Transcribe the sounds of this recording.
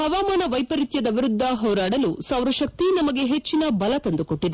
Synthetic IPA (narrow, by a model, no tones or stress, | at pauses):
hɐʋaːmaːnɐʋɐjpɐɾit̪jɐd̪ɐʋiɾud̪ʱːɐɦɔːɾaːɽɐlusɐwɾɐʃɐk̚t̪inɐmɐɡe̞ɦet͡ʃːinɐbɐlɐt̪ɐnd̪uko̞ʈːid̪e